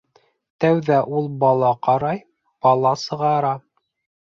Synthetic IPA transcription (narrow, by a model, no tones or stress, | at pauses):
t̪æwðæʔulˠbɑlˠɑqɑɾɑj | b̥ɑlˠɑsɤ̆ʁɑɾɑ